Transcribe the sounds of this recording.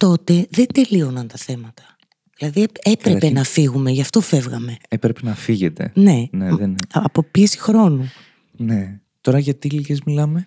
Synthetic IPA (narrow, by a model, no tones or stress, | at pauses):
t̪o̞t̪e̞ðend̪e̞lio̞nɐnt̪ɐθe̞mɐt̪ɐ̥ | ðilɐðiepɾepe̞nɐfiɣume̞ʝɐft̪o̞fe̞vɣɐme̞epɾepenɐfiʝet̪e̞̰ne̞neðnɐpo̞piesi̥xɾo̞nu | ne | t̪o̞ɾɐʝɐt̪iliʝezmilɐme̞